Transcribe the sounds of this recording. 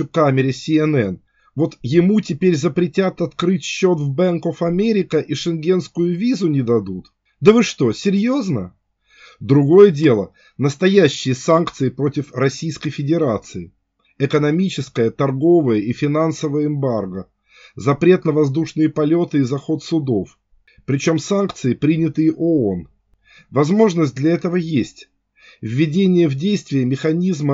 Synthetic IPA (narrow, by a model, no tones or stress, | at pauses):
ʊkamʲɪɾʲɪsʲɪɛnɛn | vo̞t̪jɪmutʲɪpʲeɾʲzəpɾʲɪtʲat̪ɐt̪kɾɨtʲɕːo̞t̪vbɛnkofɐmʲeɾʲɪkəʔiʂɨnɡʲe̞nskʊjʊvʲizʊnʲɪd̪ɐd̪ut̪ | d̪əvɨʂt̪o̞sʲɪɾʲjoznə | d̪ɾʊɡo̞jədʲe̞lˠə | nəst̪ɐjæɕːɪjəsankt̪sɨɪpɾo̞tʲɪfrɐsʲijskəjfʲɪdʲɪɾat̪sɨɪ | ɪkənɐmʲit͡ɕɪskəjət̪ɐrɡo̞vəjəifʲɪnansəvəjəɪmbarɡə | zɐpɾʲe̞t̪nəvɐzd̪uʂnɨjəpɐlʲo̞t̪ɨizɐxo̞t̪sʊd̪o̞f | pɾʲɪt͡ɕo̞msankt̪sɨɪpɾʲinʲɪt̪ɨjɪʔoon | vɐzmo̞ʐnəsʲt̚ʲd̪lʲɐɛt̪əvəjesʲtʲ | vːʲɪdʲenʲɪjəvdʲejst̪vʲɪjəmʲɪxɐnʲizmə